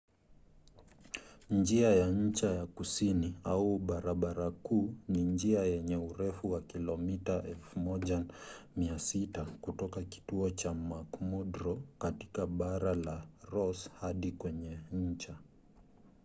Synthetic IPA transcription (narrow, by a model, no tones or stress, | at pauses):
nd͡ʒiajaɲ̩t͡ʃajakusiniauɓaɾaɓaɾakuːnind͡ʒiajɛɲɛuɾɛfuwakilɔmitaʔɛlfumɔʄamiasitakutɔkaki̥tuɔt͡ʃamakmɔdɾɔkati̥kaɓaɾalaɾɔshaɗikwɛɲɛɲ̩t͡ʃa